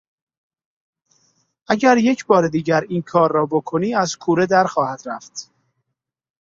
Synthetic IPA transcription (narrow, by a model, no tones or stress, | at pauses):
ʔæɟæɾje̞cʰbɒːɾed̪iːɟæɾiːnkʰɒːɾːɒːbo̞kʰoniːæzkʰuːɾe̞d̪æɾxɒːhæd̪̥ɾæft̪